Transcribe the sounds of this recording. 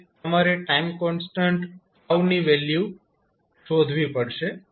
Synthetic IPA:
t̪əmaɾeʈaimkɔnsʈãɳʈ | auniʋelju | ʃod̪ʱʋipəɽʃe

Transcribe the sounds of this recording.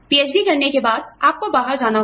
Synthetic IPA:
piːeːd͡ʒbikɐɾnekebaːd̪̚aːp̚kobaːɦəɾd͡ʒaːna

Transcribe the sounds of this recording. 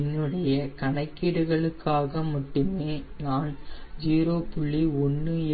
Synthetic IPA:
nːɯɽɐjɐkɐɳɐɪkːiːɽɯɣɐɭɯkːaːɣɐmʊʈːɯmeːnaːnd͡ʒiːɾoːpʊɭːiɔnːɯɛ

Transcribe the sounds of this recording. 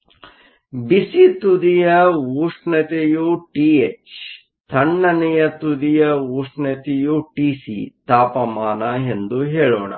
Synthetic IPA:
bisit̪ud̪ijɐuːʂɳɐt̪ejuʈiːet͡ʃ | t̪ʰɐɳːɐnɛjɐt̪ud̪ijɐuːʂɳɐt̪ejuʈiːsḭt̪aːpɐmaːnɐend̪uɦeːɭoːɳɐ̰

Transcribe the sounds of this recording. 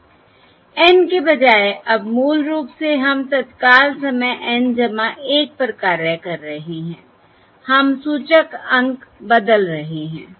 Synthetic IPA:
ɛːnkebɐd͡ʒaːeʔɐbmuːlɾuːpseɦɐmt̪ɐt̪kaːlsɐməjʔɛ̃nd͡ʒɐmaʔeːk̚pɾəkaːɾəkɐɾːɐɦeɦɛ̃ː | hɐmsuːt͡ʃəkə̃ŋɡkbɐd̪əlɾɐɦeɦɛ̰̃ː

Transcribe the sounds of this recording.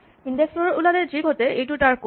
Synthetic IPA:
indɛksɔɹɔulanɛziɡʱɔtɛejtʊtaɹko

